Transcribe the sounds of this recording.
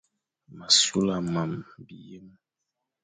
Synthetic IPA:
ma˨su˦la˨ma˨mbi˨je˦m

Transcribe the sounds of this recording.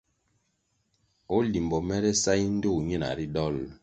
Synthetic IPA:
o˦li˨m˨bɔ˨mɛ˦ɾɛ˦sa˦i˦n̩˦do˦˨ɲi˦˨na̰˨ɾi˦dɔ˦˨l

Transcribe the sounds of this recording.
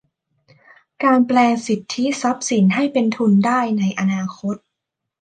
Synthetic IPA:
kaː˧nplɛː˧ŋsi˨˩t̪ʰːi˦˥sa˦˥p̚si˩˦nɦa˥˩jpe˧nt̪ʰu˧ndaː˥˩jna˧jʔa˧naː˧kʰo˦˥t̪̚

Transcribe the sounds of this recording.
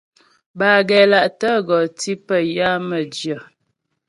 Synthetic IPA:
baː˨ɡɛ˨la˨ʔtə˦ɡɔ˨ti˦pə˨ja˦mə˨d͡ʒjə˨

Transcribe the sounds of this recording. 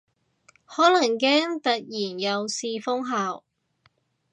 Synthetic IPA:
hɔː˨˥lɐ˨˩ŋkɛː˥ŋt̪ɐ˨t̚jiː˨˩njɐ˨˧wsiː˧fʊ˥ŋɦaː˨˧w

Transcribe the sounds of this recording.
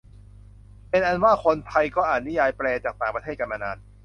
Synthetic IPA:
pe˧nʔa˧nwaː˥˩kʰo˧npʰa˧jkɔː˥˩ʔaː˨˩t̪̚ni˦˥jaː˧jplɛː˧t͡ɕaː˨˩k̚t̪aː˨˩ŋpɾa˧t̪ʰeː˥˩ka˧nʔa˧naː˧˩n̚

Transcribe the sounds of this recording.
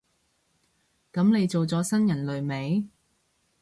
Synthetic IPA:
kɐ˨˧˥mne˨˧jt͡so˨wt͡sɔː˨˥sɐ˥njɐ˨˩nlɵ˨ɥme˨˥j

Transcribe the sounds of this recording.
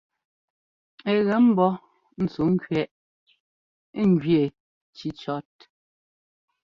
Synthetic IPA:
ɛ˨ɣɛ˨˦m̩˦bɔ˦ | n̩˦t͡su˨˦ŋ˦kɥɛ˦ʔ | ŋ̩˦ɡɥje˨ | t͡ʃi˨˦t͡ʃɔ˦t̚

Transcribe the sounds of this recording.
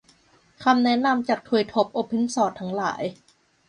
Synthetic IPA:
kʰa˧mnɛ˦˥na˧mt͡ɕa˨˩k̚t̪ʰu˨˩jt̪ʰo˦˥p̚ʔoː˧pʰe˧˥nsɔː˧˩t̪ʰːa˦˥ŋla̰ː˩˦j

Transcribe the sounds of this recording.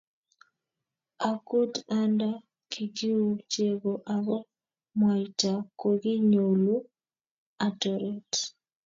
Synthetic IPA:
a˨ku˦da˦nda˦ | kʰi˨ɡi˦u˨t͡ʃe˨ɡo˨ʔa˨ɣɔ˦ | mwa˨ita˨ko˨ɡi˦ɲo˨lu˦ | a˨tɔ˨ɾe˦t

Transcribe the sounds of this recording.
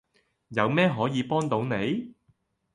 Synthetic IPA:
jɐ˨˧wmɛː˥ɦɔː˨˥jiː˨˧pɔː˥ŋt̪o˨˧˥wne˨˧j

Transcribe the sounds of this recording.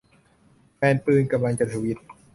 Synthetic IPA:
pɛː˧npɯː˧nka˧mla˧ŋt͡ɕa˧˩t̪ʰa˧wi˦˥t̪̚

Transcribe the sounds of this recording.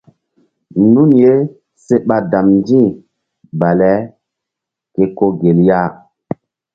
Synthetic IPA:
nu˦nje˦ | se˦ɓa˨da˨mnd͡ʒĩ˦ | ba˨lɛ˦ | ke˨ko˦ɡe˨lja˦˨

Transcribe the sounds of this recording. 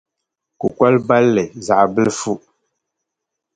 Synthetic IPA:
ku˨kwa˦lba˦lːɛ˨za˨ʔbə˦lfu˦ʔ

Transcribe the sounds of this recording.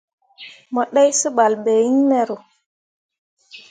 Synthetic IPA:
mɔ˨ɗa˦jsə˦ɓa˨lbe˨ji˦ŋmɛ˦ɾo˨

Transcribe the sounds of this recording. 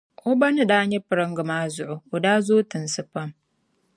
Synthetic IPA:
ʔʊ˦bɐ˦nɪ˦˨daː˦ɲe˦pɨ˨ɾɐ˦ŋɡɨ˨maː˦zʊ˨ʔo˨ʔʊ˨daː˦zoː˦tɪ˨nsɨ˦ɸɐ˦m

